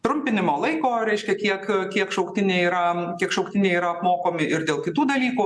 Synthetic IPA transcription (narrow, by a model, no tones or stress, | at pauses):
t̪ɾʊmʲpʲɪnʲɪmoːlˠɐɪkoːɾʲɛɪʃʲkʲɛkʲiɛkkʲiɛkʃɐʊkt̪ʲɪnʲeɪiːɾɐkʲiɛkʃɐʊkt̪ʲɪnʲɛɪiːɾɐɐpmoːkoːmʲɪʔɪɾd̪ʲeːlˠkʲɪt̪uːd̪ɐlʲiːku